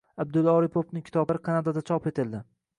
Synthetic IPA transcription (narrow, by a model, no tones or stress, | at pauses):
ab̚d̪ʊlˠɒɾipʰopnɪkʲʰɪ̥t̪ʰɒblaɾɪkʰanad̪ad̪at͡ʃʰɒpe̞t̪ʰɪld̪ɪ